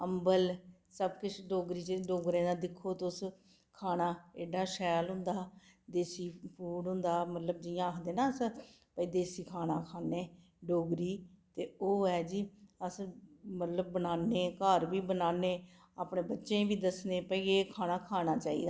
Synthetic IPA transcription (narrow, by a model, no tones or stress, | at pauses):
əmbəlsəbkɪt͡ʃʰɖoːɡɾiːt͡ʃɖoːɡɾẽːnad̪ɪkʰːoːt̪ʊs | kʰaːnaːeːɖaːʃɛːlɦʊ̃nd̪aːd̪eːsiːpuːɽɦʊ̃nd̪aːmət̪ləb̚d͡ʒɪjãːkʰd̪eːnaːəs | pəiːd̪eːsiːkʰaːnaːkʰaːneː | ɖoːɡɾiːt̪eːoːɛːd͡ʒiːəsmət̪ləb̚ːənaːneːkəɾbiːbənaːneː | aːpɳẽːbətːʃẽːʋiːd̪əsneːpəiːeːkʰaːnaːkʰaːnaːt͡ʃaːḭːd̪aː